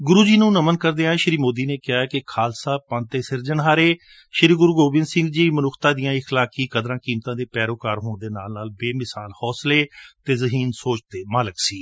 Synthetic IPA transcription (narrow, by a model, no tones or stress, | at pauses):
ɡʊɾuːd͡ʒiːnũːnəmənkəɾd̪eːãʃɾiːmoːd̪iːneːkɪjaːkɪkʰaːlsaːpãːnt̪eːsɪɾd͡ʒənɦaːɾeː | ʃəɾiːɡʊɾuːɡoːbɪ̃nd̪sɪ̃ŋɡd͡ʒiːmənʊkʰt̪ãːd̪ɪjãːɪxlaːkiːkəd̪ɾãːkiːmt̪ãːd̪eːpɛːɾoːkaːɾɦoːɳd̪eːna̰ːlnaːlbeːmɪsaːlhɔːsleːt̪eːzəɦiːnsoːt͡ʃt̪eːmaːləksiː